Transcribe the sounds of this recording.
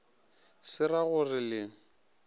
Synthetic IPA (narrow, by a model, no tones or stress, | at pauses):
sɪraɣʊrɪlɪ